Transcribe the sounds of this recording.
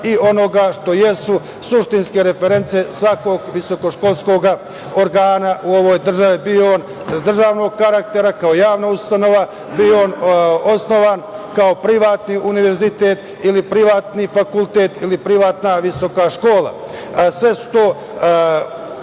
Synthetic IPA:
io̞no̞ɡaʃt̪o̞je̞su | suʃt̪inske̞ɾe̞feɾe̞nt̪sije̞sʋako̞ɡʋiso̞ko̞ʃko̞lˠsko̞ɡa | o̞ɾɡaːnaʔuo̞ʋo̞jd̪r̩ʒaʋibiooːn | d̪r̩ʒaːʋno̞ɡ̚kaɾak̚t̪e̞ɾakaojaːʋnaust̪ano̞ʋa | bioːno̞sno̞ʋaːnkao̞pɾiʋaːt̪niʔuniʋe̞ɾzit̪e̞ːt̪ | ilipɾiʋaːt̪nifakult̪e̞ːt̪ilipɾiʋaːt̪naʋiso̞kaʃko̞ːla̰ | sʋe̞su̥t̪o̞ː

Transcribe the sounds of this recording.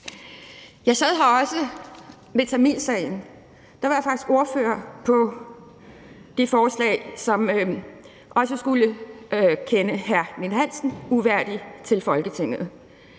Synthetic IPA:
jɑ̈ɪsɛð̰ˠɦɑ̈ɒ̽sə | met͡sʰæminsɛ̰ːɪn̩ | d̥ɑ̈ʋɑ̈jɑ̈fɑ̈ɡ̥i̥sɡ̥o̝ɐfø̰ːɐpʰɒ̽ | d̥ifɒːslɛ̰ɪsɒ̽m | ʔɒ̽səsɡ̥ulə | kʰenəɦæɐ̰nenɦæn̰sn̩uʋæɐ̰d̥it͡sʰe̝lfɒ̽lɡ̥ət͡sʰe̝ŋ̰ð̩ˠ

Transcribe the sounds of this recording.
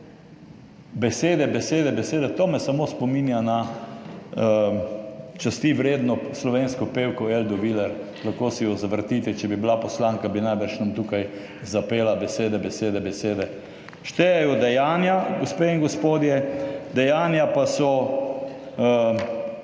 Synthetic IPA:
bɛseːd̪ɛbɛseːd̪ɛbɛseːd̪ɛt̪oːmɛsamospɔminjana | t͡ʃast̪iʋɾeːd̪nɔslɔʋenskɔpeːwkɔeld̪ɔʋilɛɾ | laxkoːsɛjɔzaʋɾt̪it̪ɛt͡ʃɛbibilapɔslaŋkabinajbəɾʃnamt̪uːkaj | zapeːlabɛseːd̪ɛbɛseːd̪ɛbɛseːd̪ɛ | ʃt̪ɛjɛjɔd̪ɛjaːnjaɡospeiŋɡospoːd̪jɛd̪ɛjaːnjapasɔ

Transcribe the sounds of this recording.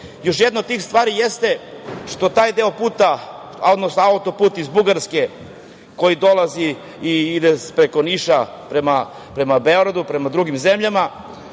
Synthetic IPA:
joʃ̬jed̪not̪t̪iːxst̪ʋaːɾijest̪e̞ʃt̪o̞t̪aːjd̪e̞o̞puːt̪a | o̞d̪nosnoaut̪o̞puːt̪izbuɡaɾske̞ | ko̞jid̪o̞lˠaziː | id̪espɾe̞ko̞niʃa | pɾema | pɾe̞mabeoɡɾad̪upɾe̞mad̪ɾuɡimze̞mʎama

